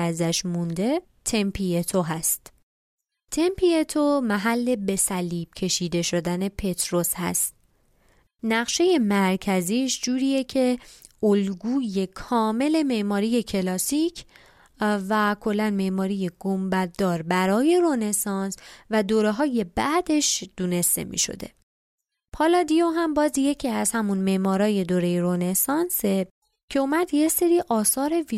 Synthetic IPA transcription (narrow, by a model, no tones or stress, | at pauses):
æzæʃmund̪e̞ | t̪ʰe̞mpʰiet̪ʰoɦæst̪ | t̪ʰe̞mpʰiet̪ʰomæɦælːe̞be̞sæliːb̥̚cʰe̞ʃiːd̪e̞ʃo̞d̪æne̞pʰe̞t̪ʰɾo̞shæ̰st̪̚ | næɣʃe̞je̞mæɾcʰæziːʃd͡ʒuːɾiːjecʰe̞ʔolɡuːje̞kʰɒːme̞le̞me̞ʔmɒːɾije̞cʰe̞lɒːsicʰ | vækʰo̞lːænme̞ʔmɒːɾije̞ɡ̥ombæd̪̥ːɒːɾbæɾɒːje̞ɾone̞sɒnsvæd̪oːɾeɦɒːje̞bæd̪e̞ʃd̪̥uːne̞st̪e̞̰mʔḭːʃo̞̰d̪e̞̰ | pʰɒːlɒːd̪ijoɦæmbɒːzje̞cʰiæz̥hæmunme̞ʔmɒːɾɒːje̞d̪oːɾe̞jeɾone̞sɒnse̞ | cʰe̞omæd̪jese̞ɾiːʔɒːsɒːɾe̞vi